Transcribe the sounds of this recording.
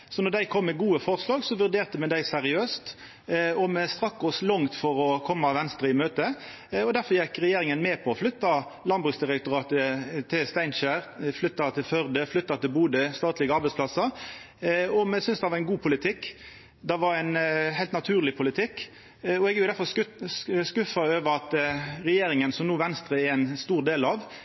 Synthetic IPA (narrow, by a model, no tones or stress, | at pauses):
sɔnɔd̪æɪkʰɔmːɛɡuːəfɔʁslɑːɡsɔʋʉʁd̪eːʁt̪əmɛd̪æɪsæɾɪøːst̪ | ɔmɛst̪ɾɑkːɔslɔŋt̪fɔɾɔkʰɔmːɑʋɛnst̪ɾəɪmøːt̪ə | ɔd̪æɾfɔɾjɛkɾɛjeːɾɪŋənmɛːpʰɔɔflʏt̪ːɑlɑnbʁʉːksd̪ɪʁɛk̚t̪ɔʁɑːt̪ət̪ʰɪlst̪æɪnʃæɾflʏt̪ːɑt̪ʰɪlfœʁd̪əflʏt̪ːɑt̪ɪlbuːd̪əst̪ɑːt̪lɪɡɑɾbɛɪspʰlɑsə | ɔmɛsʏnsd̪ɛʋɑʁɛnɡuːpʰʊlɪt̪ʰɪkː | d̪ɛʋɑɾæɪnɦæɪlt̪nɑt̪ʰʉːʁlɪpʰʊlɪt̪ʰɪkː | ɔɛɡʊɪd̪æɾfɔs | skʉfɑøːʋəɾɑt̪ɾɛjeːɾɪŋənsɔmnuːʋɛnst̪ɾəɛæɪnst̪uːʁd̪eːlɑʋ